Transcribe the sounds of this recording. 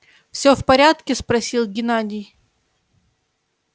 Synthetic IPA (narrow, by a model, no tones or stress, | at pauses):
fsʲɵfpɐɾʲat̪kʲɪspɾɐsʲilˠɡʲɪnadʲɪj